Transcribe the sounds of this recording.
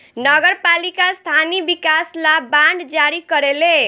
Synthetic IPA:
nʌɡəɾpalikast̪ʰanibikaslabaɳɖd͡ʒaɾikʌɾele

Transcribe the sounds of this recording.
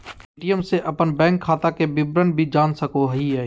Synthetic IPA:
eːʈijəmseʔɐpənbɛ̃ːŋkʰːaːt̪akebɪbɾənbʱid͡ʒaːnsəkoɦiɦɛː

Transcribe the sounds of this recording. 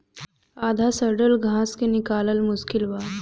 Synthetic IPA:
ad̪ʱasəɾɽəlɡʱãːskenikaːləlmʊskilʋa

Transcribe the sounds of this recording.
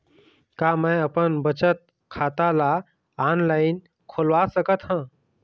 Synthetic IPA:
kamə̃jəpənbət͡ʃət̪̚ | kʰaːt̪ala | aːnlaːɪn | kʰolʋasəkət̪ɦã

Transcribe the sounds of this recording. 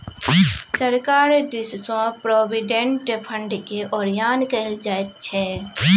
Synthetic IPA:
səɾkaːɾd̪ɪssõpɾoːbɪɖẽɳʈpʰə̃ɳɖkeʔɔːɾjaːnkəld͡ʒaːet̪̚t͡ʃʰɛ

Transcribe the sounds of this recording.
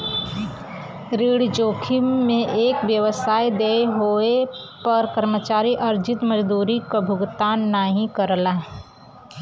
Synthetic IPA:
ɾiːɽd͡ʒoːkʰimẽʔeːkʋjəʋəsaːid̪eɦoepɐɾkəɾmət͡ʃaːɾiʔɐɾd͡ʒɪt̪məd͡ʒd̪uːɾikabʱʊɡt̪aːnnaːɦĩkəɾlaɦɛ

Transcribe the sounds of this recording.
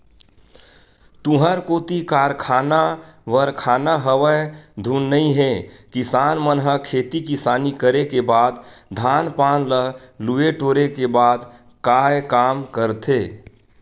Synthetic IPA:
t̪ũɦəɾkoːt̪ikaːɾkʰaːnaʋəɾkʰaːnaɦəʋəed̪ʱunːəĩɦẽkɪsaːnmənɦəkʰeːt̪ikɪsaːnikəɾekebaːd̪d̪ʱaːnpaːnləlueʈoːɾekebaːd̪ | kaːjkaːmkəɾt̪ʰeː

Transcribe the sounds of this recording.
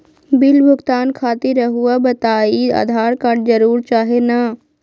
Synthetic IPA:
bɪlbʱʊɡt̪aːnkʰaːt̪iɾɐɦuabɐt̪aːia̰ːd̪ʱaːɾkaʈd͡ʒəɾuːɾt͡ʃaːɦena

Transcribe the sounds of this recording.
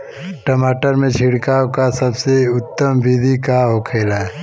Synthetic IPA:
ʈəmaːʈəɾmẽt͡ʃʰɪɽkaːwkasɐbseʊt̪ːəmbid̪ʱikaɦokʰeːlaɛ

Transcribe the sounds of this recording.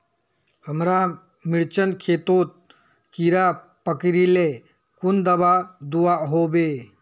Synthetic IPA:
həmɾa | mɪɾt͡ʃənkʰeːt̪oːt̪̚ | kiɾa | pəkɾile | kʊnd̪əbad̪uaɦobeː

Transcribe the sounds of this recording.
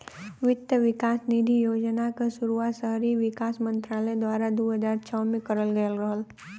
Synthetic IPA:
ʋɪt̪jəʋɪkaːsniːd̪ʱijoːd͡ʒnakasʊɾuasəɦɾiʋɪkaːsmə̃nt̪ɾaːlə̃d̪waːɾad̪oːɦəzaːɾt͡ʃʰɔːmẽkɐɾəlɡəjəlɾəɦəl

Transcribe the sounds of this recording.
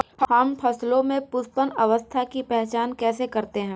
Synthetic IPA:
hɐmpʰɐslõmẽpʊspənɐʋəst̪ʰakipɛɦt͡ʃaːnkɛːsekɐɾt̪eɦɛ̃ː

